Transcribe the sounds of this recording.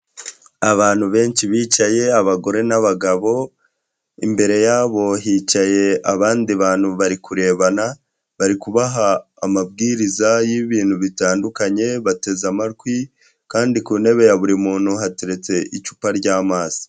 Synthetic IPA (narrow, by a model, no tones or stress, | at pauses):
aβaːn̥huβe̞ːnt͡ʃiβiːt͡ʃaje̞aβaɡo̞ɾe̞naβaɡaβo̞ | imbe̞ɾe̞jaːβo̞ɦiːt͡ʃaje̞aβaːndiβaːn̥huβaɾikuɾe̞ːβana | βaɾikuβaɦaː | mab̚ɡiːɾizajiβiːn̥huβitaːndukaɲe̞βate̞zamaɾɡwi | kaːndikune̞βe̞jaβuɾimuːn̥huɦateɾe̞t͡se̞ʔit͡ʃu̥paɾɟaːmaːz̥i̥